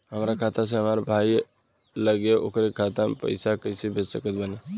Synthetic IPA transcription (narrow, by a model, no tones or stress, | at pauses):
ɦəmɾakʰat̪ʰasẽɦəmaɾbʱai | ləɡeʔo̰kɾekʰat̪apə̰ɪsakəsebʱed͡ʒsəkət̪̚bəne